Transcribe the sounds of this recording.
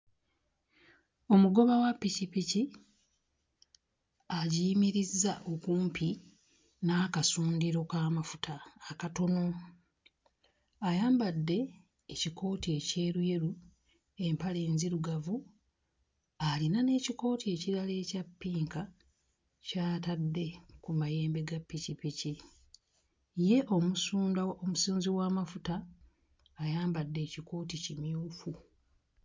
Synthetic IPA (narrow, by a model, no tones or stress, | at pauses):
o̞muɡo̞βawapːicipici | aɟiːmiɾizːaʔo̞kuːmpʰi | naːkasuːndiɾo̞kaːmafutʰaːkato̞no̞ | ajaːmbadːe̞ː | cikʰo̞ːtie̞ce̞ːɾwe̞ɾu | e̞mpale̞ːnziɾuɡavu | alinane̞ːciko̞ːtʰie̞ːciɾale̞ːcapːiːŋka | caːtadːe̞kumaje̞ːmbe̞ɡapːicipici | je̞ʔo̞musuːndaomusiːnziwaːmafutaː | jaːmbadːe̞ːciko̞ːticimjuːfu